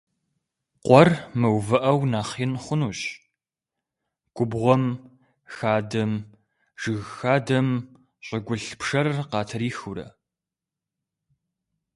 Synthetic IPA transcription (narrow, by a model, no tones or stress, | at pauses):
qʷɔrmɨwvɐʔɐwnaːχiːnχʷʊnuːɕ | ɡ̥ʷʊbʁʷɔm | xaːdɐm | ʒ̥ɨɣxaːdɐm | ɕʼɪɡʷʊɬpʂɐrqɑːtʰɐɾiːxʊɾɐ̰